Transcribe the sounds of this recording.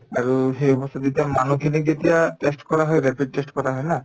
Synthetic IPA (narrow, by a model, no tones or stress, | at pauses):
aɾuɦejɔpɔst̪ʰad̪it̪iamanokʰeneɡet̪iaʈesʈkɔɾaɦɔeɾɛpiɖ̚ʈesʈkɔɾaɦɔena